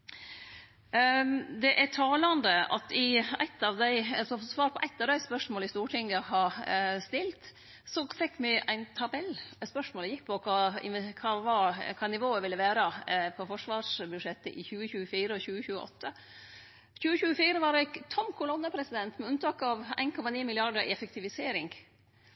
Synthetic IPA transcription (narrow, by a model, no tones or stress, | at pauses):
d̪ɛʔæʈʰɑːlɑnd̪əɑ̰t̪ɪæ̰ɪt̪ːɑʋd̪æɪɑsɔfsʋɑːɾpʰɔʔæɪt̪ːɑʋd̪æɪspœʂmoːlɪst̪uːʈʰɪŋːəhɑst̪ɪlt̪ | sɔfɛkːmɪʔæ̰ɪnt̪ʰɑbɛlspœʂmoːlɛjɪk̚ːpʰɔkʰɑɪ̰kʰɑʋɑkʰɑːnɪʋoːəʋɪlːəʋæːɾəpʰɔfɔʂʋɑːʂbʉd̪ʂɛt̪ːə̰ʔɪçʉːəçʉːəfiːɾəɔçʉːəçʉːəʔɔ̰t̪ːə | çʉːəçʉːəfiːɾəʋɑːɾɛt̪ʰɔmkʰʊlɔnːəpʰɾɛsɪd̪ɛnt̪mɛʉnt̪ʰɑːkɑʋæ̰ɪnkʰɔmɑniːmɪlɪɑɖəɾɪ̰ɛfək̚t̪ʰɪʋɪseːɾɪŋɡ